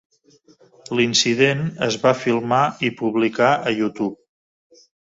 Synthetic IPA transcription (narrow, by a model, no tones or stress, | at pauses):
linsiðenə̰zβafilˠmaipuβlikaəjut̪up̚